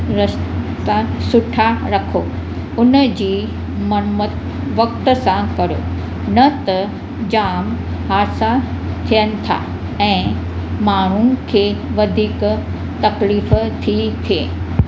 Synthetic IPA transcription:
ɾəʃt̪asʊʈʰaɾɐkʰo | ʊnəd͡ʑiː | mɐnmət̪ | ʋɐkt̪əsãkɐɾo̰ | nɐt̪ɐ | d͡ʑaːm | ɦaːɾsa | t̪ʰijənɪ̆t̪ʰa̰ː | ɛ̃ː | maːɳ̤̃unɪ̆kʰeːʋɐd̪ʱiːk | t̪ɐkliːft̪ʰit̪ʰieː

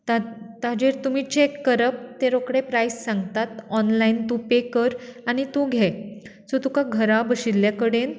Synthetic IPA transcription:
t̪at̪ad͡ʑeɾt̪um̤iːt͡ɕekːəɾəp̚t̪eɾokɽepɾajsːãŋɡt̪at̪ɔnlaint̪ũpekəɾaɽ̃it̪ũːɡʱɛ | sot̪ukaɡʱəɾabəɕiljakəɽen

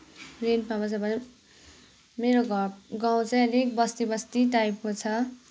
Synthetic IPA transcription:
renpamat͡sʰʌbʌn | meɾoɡaw̃t͡saj̃ʌlekbʌst̪ibʌst̪iʈajpɦõt͡sʰʌ

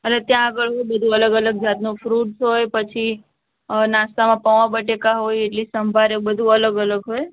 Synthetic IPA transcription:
ɦəlet̪jãəɡəɭɦojbəd̪ʱũələɡələɡ̚d͡ʒat̪nũfɾuʈsɦojpət͡ʃʰi | nast̪amãpəʋãbəʈekaɦojeʈlisəmbʱaɾebəd̪ʱũələɡələɡɦoj

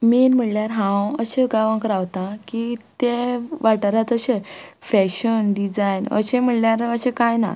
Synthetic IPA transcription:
miːnm̤əɳljaɾɦãwəɕẽɡaʋãŋkɾaʋt̪ãkit̪eʋaʈaɾat̪əɕefɛkɕənɖid͡zajnə̰ɕem̤əɳljaɾəɕekajna̰

